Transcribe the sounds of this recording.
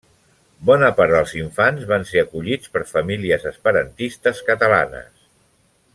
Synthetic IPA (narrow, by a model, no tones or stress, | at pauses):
bɔnəpaɾd̪əlˠziɱfanzβanseəkuʎit͡spəɾfəmiliəzəspəɾənt̪ist̪əskət̪əla̰nə̰s